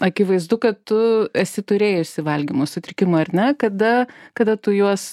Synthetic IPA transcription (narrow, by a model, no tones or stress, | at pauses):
ɐkʲɪʋɐɪzd̪ʊkɐtt̪ʊɛsʲɪt̪ʊɾʲeːjʊʃʲsʲɪʋɐlʲɡʲimoːsʊt̪ʲɾʲɪkʲɪmoːɐɾʲnʲɛkɐd̪ɐkɐd̪ɐt̪ʊjuɔs